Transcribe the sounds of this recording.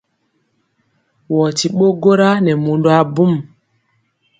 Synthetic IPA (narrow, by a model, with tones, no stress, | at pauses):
wɔ˨ti˨ɓo˦ɡo˦ɾa˦nɛ˨mo˨ndo˨˦a˦bu˦m